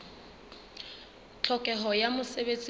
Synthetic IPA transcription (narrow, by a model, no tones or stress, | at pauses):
t͡ɬʰɔkʼɛɦɔjamʊsebet͡sʼi